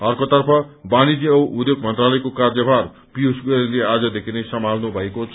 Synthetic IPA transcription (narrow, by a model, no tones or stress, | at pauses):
ʌrkot̪ʌrpʰʌbanid͡ziʌuud̪joɡmʌnt̪ralʌjkokard͡zʌbʱar | pijusɡʌɾilead͡zʌd̪ekʰinesʌmalnubʱʌekot͡sʰ